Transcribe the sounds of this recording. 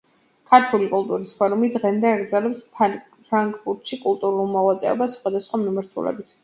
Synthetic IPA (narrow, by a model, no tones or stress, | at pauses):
kʰaɾt̪ʰulikʼulˠt̪ʼuɾispʰɔɾumid̪ʁɛmd̪ɛaɡɾd̪zɛlɛps | pʰɾaŋkʼbuɾt̪ʃikʼulˠt̪ʼuɾulˠmɔlat̪sʼɛ̰ɔbasχwad̪asχwamimaɾt̪ʰṵlɛ̰bit̪ʰ